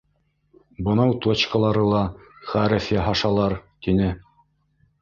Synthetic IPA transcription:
bɤ̆nɑwt̪ot͡ɕkɑ̆lˠɑɾɤlˠɑχæɾɘfjæɦɑʃɑlˠɑɾt̪inɘ

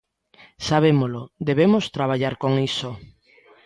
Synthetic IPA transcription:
saβ̞emolod̪eβemost̪ɾaβ̞aʎaɾkoŋiso

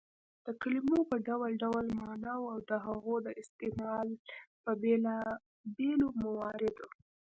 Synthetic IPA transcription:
d̪̥əkalimopəɖawalɖawlmɑnawawd̪əɦaɣod̪əʔɪst̪emɑlpəbela | belomawɑɾɪd̪o

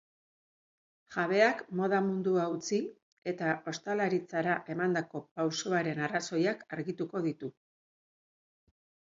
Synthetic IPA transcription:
ʝaβe̞akmo̞ð̞amund̪uaut͡si | e̞t̪aʔo̞st̪alaɾit͡saɾaʔe̞mand̪ako̞pawsoaɾe̞naraso̞jakaɾɣit̪uko̞ðit̪u

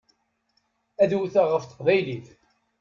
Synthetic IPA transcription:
æðuθaʁəfθə̥qvæjliθ

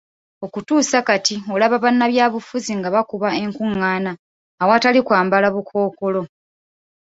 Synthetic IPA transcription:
o̞kutuːsakatio̞laβaβanːaβjaːβufuziŋɡaβakuβae̞ŋkuŋːaːnaː | watalikwaːmbalaβukʰo̞ːko̞lo̞

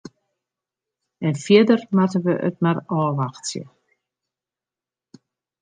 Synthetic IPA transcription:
ɛnfjɪdərmatəʋəʔə̰t̚marɔːʋaxtsjə̰

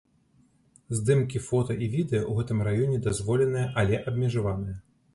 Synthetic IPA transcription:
zd̪ɨmkʲifɔt̪ɐʔivʲid̪ɛjɐʔwɣɛt̪ɨmrajɔnʲɛd̪azvɔlʲɛnɨjɐʔɐlʲɛʔɐbmʲɛʐavanɨjɐ

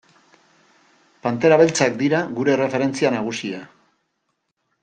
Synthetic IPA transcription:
pant̪e̞ɾaβe̞lt͡sak̚d̪iɾaɣuɾe̞re̞fe̞ɾe̞nt͡sianaɣ̞usia

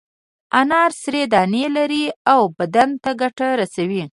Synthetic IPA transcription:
anɑɾsɾed̪ɑnelaɾiawbad̪ant̪aɡaʈaɾasawi

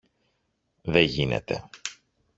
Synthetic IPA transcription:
ðeʝine̞̰t̪e̞̰

